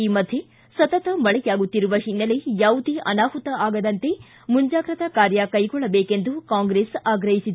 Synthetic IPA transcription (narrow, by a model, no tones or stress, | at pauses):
iːmɐd̪ʱje | sɐt̪ɐt̪ɐmɐɭɛɡaːɡut̪ːiɾuʋɐɦinːɐlejaːʋud̪iʔɐ̰naːɦut̪ɐʔaːɡɐd̪ɐnt̪e̞ | muɲd͡ʒaːɡɾɐt̪ɐkaːɾjɐkɐjɡɔɭːɐbeːkend̪ukaːŋɡɾesaːɡɾɐɦisid̪e